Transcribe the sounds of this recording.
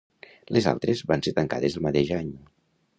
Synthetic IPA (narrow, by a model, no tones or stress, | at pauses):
leza̰lˠt̪ɾezbanset̪əŋka̰ð̞ezðelˠmat̪eʒaɲ